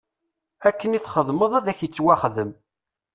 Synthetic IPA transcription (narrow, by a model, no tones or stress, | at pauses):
ækːəniθχəðˤməðˤæðæçjət͡sːwæχðəm